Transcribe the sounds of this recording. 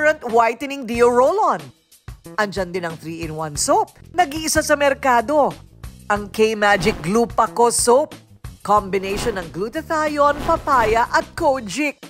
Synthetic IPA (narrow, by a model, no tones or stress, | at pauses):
ɹɐnt̪wajt̪ɛnɪŋd̪ioɹolon | ʔɐnd͡ʒɐnd̪ɪnɐŋθɾiːʔɛnwansowp̚nɐɡiʔɪsasɐmɛɾkaːd̪o̞ʔɐŋkejmad͡ʒɪk̚ɡluːpɐkosowp̚ | kombɪnejʃonːɐŋɡlut̪ɛθajonpɐpaːjɐʔɐt̪̚kowd͡ʒɪk̚